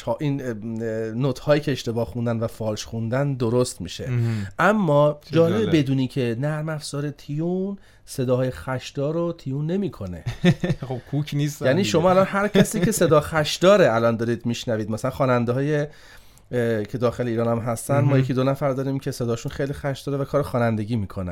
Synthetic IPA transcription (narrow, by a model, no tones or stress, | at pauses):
hʔinː | ot̪ʰhɒːjiːcʰe̞eʃt̪e̞bɒːhxund̪ænvæfɒːlʃxund̪ænd̪oɾost̪miːʃe̞ʔæmːɒːd͡ʒɒːlebebe̞d̪uːniːcʰe̞næɾmæfz̥ɒːɾe̞t̪ʰijun | se̞d̪ɒːɦːjexæʃd̪̥ɒːɾot̪ʰijunːe̞miːkʰo̞ne̞̰χobkʰukʰnist̪jæniːʃo̞mɒːælɒnhæɾcʰæsiːcʰe̞se̞d̪ɒːxæʃd̪ɒːɾeælɒnd̪ɒːɾiːd̪miʃnæviːd̪mæsælænxɒːnænd̪eɦɒːje | cʰe̞d̪ɒːxe̞leiːɾɒːnæmɦæst̪ænd̪mɒːjecʰiːd̪onæfæɾd̪ɒːɾiːmcʰe̞se̞d̪ɒːʃunxejlixæʃd̪ɒːɾevækʰɒːɾexɒːnænd̪e̞ɟʲiːmiːkʰo̞næ̰̥